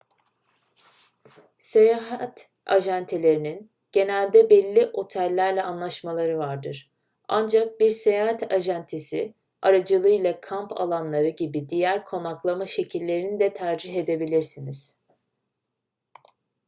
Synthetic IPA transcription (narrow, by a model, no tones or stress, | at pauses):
se̞jaːɦat̪ | a̰ʒænt̪ʰelʲe̞ɾinin | ɟ̥e̞nælʲd̪ɛbɛlʲːiʔo̞t̪ʰælʲːæɾlʲɛʔanlˠaʃmalˠaɾɯvaɾd̪ɯɾ̥ | a̰nd͡ʒak̚biɾsejaːɦat̪ʰaʒænt̪ʰesi | aɾad͡ʒɯlˠɯjlˠakʰampʰa̰lˠanlˠaɾɯɟibid̪ijæɾkʰo̞naklˠamaʃe̞cʰilʲːe̞ɾinid̪ɛt̪ʰæɾd͡ʒiɦe̞d̪e̞bilʲiɾsiniz̥